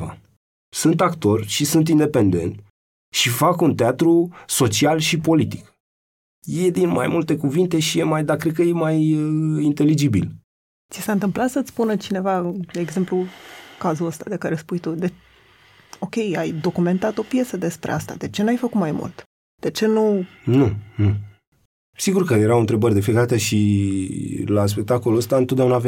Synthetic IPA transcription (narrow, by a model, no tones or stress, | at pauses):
a̰ | sunt̪akt̪o̞rʲʃisunt̪̬ind̪e̞pe̞nd̪e̞̰nt̪ | ʃifakunt̪eat̪ɾuso̞t͡ʃialʃipo̞lit̪i̥k | je̞d̪inma̰jmult̪e̞kuvint̪e̞ʃijemajd̪akɾed̪̚kəjemajint̪e̞lid͡ʒibḭl | t̪sisant̪ɨmplat̪sət̪sspunət͡ʃine̞vad̪e̞ːɡze̞mplukazuəst̪ad̪e̞kaɾespujt̪ud̪e | o̞kʲe̞jajd̪o̞kume̞nt̪at̪o̞pje̞səd̪e̞spɾḛast̪a̰d̪e̞t͡ʃe̞najfəkut̪majmṵlt̪ | d̪̥e̞t͡ʃe̞nununu | siɡurkəje̞ɾawɨnt̪ɾe̞bərʲd̪e̞fiekad̪at̪əʃi | las̬pe̞k̚t̪akoluəst̪ant̪ot̪d̪aunaːv